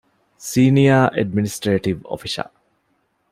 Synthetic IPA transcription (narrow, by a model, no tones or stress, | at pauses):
siːnijaːʔeɖ̚minisʈɾeːʈiʋo̰fiʃɐ̰